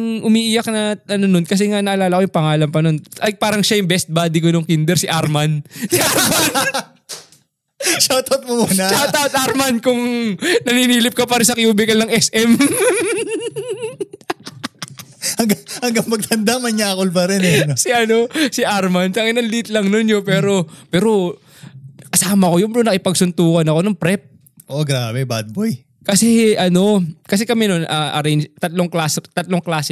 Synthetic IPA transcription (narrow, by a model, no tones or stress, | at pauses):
ŋʔʊmiːʔɪjɐk̚nɐʔɐnono̞nkɐs̬ɛŋanɐʔɐlaːlɐkojʊŋpɐŋaːlɐmpɐno̞nʔɐpaːɾɐŋʃajʊŋbɛst̪̚baːd̪ɪkonoŋkind̪ɛɾsɪʔaɾmɐnsɪʔaɾman | ʃawt̪t̪̚momuːnɐʃaɐot̪aɾmɐnkʊŋnɐniːniːlɪp̚kɐpaːɾɐsɐkɪuːbɪkɐlnɐŋʔɛsʔɛm | hɐŋɡɐŋhɐŋɡɐŋmɐɡ̚t̪ʰɐnd̪amɐɲaːkolpɐɾɛnɛnsiɐno̞sɪʔaɾmɐnsɐŋɪnɐnlit̪̚lɐŋnʊnjopɛːɾo̞pɛːɾo̞ | kɐsaːmɐko̞jʊmpɾʊnɐkɪpɐɡ̚sʊnt̪uːkɐnɐko̞nɐŋpɾɛp̚ | ʔoɡɾaːbɛbad̪̚boj | kɐsɛʔɐno̞kɐs̬ɛkɐmɛnonʔaːʔɐ̰ɾejnd͡ʒt̪ɐt̪loŋklast̪ɐt̪loŋklaːsɛ